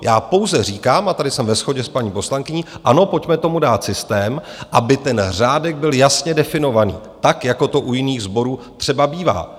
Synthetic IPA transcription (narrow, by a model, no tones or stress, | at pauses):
jʔaːpo̞wzɛr̝iːkaːmat̪adɪsɛmvɛsxo̞ɟɛspaɲiːpo̞slaŋkɪɲiːʔano̞po̞cmɛt̪o̞mudaːt̪sɪst̪ɛːmʔabɪt̪ɛnr̝aːdɛɡ̚bɪljasɲɛdɛfɪno̞vanḭːt̪akjako̞t̪o̞ʔujɪniːɣzbo̞ɾuːt̪r̝̥ɛbabiːva̰ː